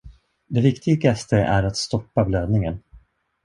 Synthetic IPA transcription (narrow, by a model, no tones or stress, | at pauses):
d̪ɛvɪkt̪ɪɡast̪əʔæɾat̪st̪ɔpːabløːd̪nɪŋən